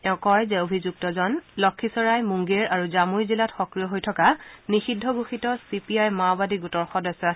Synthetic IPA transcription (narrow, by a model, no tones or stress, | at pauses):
ɛʊ̃kɔjzɛobʱizuk̚tɔzɔnlɔkʰːisɔɹajmuŋɡeɹaɹuzamujzilatxɔkɹijɔɦojtʰɔkanixidʱːɔɡuxitɔsipiajmabadiɡutɔɹxɔdɔsɔ